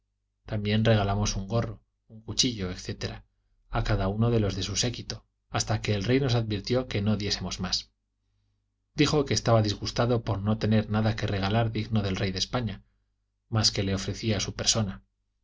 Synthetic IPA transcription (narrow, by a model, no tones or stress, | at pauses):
t̪ambje̞nre̞ɣ̞alamo̞suŋɡo̞ro̞ | uŋkut͡ʃiʎo̞ekθe̞t̪e̞ɾa | akaðauno̞ðe̞lo̞zðe̞suse̞kit̪o̞ | ast̪ake̞ːlre̞jno̞saðbiɾt̪jo̞ke̞no̞ðje̞se̞mo̞zmas | d̪ixo̞keːst̪aβaðizɣust̪aðopo̞ɾno̞t̪e̞ne̞ɾnaðake̞re̞ɣ̞alaɾðiɣno̞ðe̞lre̞jðe̞spaɲa | maske̞le̞o̞fɾe̞θiasupe̞ɾso̞na